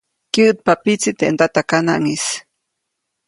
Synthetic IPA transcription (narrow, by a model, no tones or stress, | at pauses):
kiʔt̪̚papit͡sit̪eʔnt̪at̪akanaʔŋis